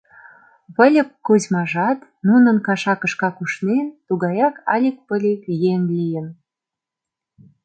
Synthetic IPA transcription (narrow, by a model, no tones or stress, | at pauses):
βə̆lʲə̆p̚kuzmɑʒɑt̪ | nunə̆nkɑʃɑkə̆ʃkɑkuʃnent̪uɣɑjɑkɑlʲik̚pəlʲekjenlijən